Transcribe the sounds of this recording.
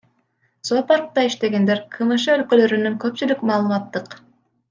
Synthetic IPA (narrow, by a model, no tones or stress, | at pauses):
sopɑɾq̚t̪ɑiʃt̪e̞ɡe̞nd̪e̞ɾqʰɯmɯʃɯølkølø̞ɾynyŋkøpt͡ʃylykmɑːlˠmɑt̪ːɯq